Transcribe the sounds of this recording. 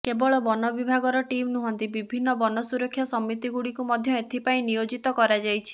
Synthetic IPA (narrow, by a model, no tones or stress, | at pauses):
kebɔɭɔbɔnɔbibʱaɡɔɾɔʈimnuɦɔnt̪ibibʱinːɔbɔnɔsuɾɔkʰːjasɔmːit̪iɡuɽikumɔd̪ʱjɔet̪ʰipaĩnijod͡ʒit̪ɔkɔɾad͡ʒajt͡ʃʰi̥